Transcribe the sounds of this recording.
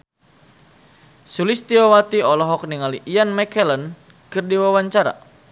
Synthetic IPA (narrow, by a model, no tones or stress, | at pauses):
sulist̪iɔwat̪iɔlɔɦɔk̚niŋaliʔːanmɛkɛlən | kɨrdiwawaɲt͡ʃaɾa̰